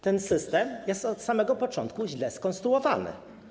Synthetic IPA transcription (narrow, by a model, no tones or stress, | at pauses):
t̪ɛnsɘst̪ɛmjɛst̪ɔt̪samɛɡɔpɔt͡ʂɔ̰nt̪kuʑlɛskɔnst̪ɾuɔva̰nɘ̰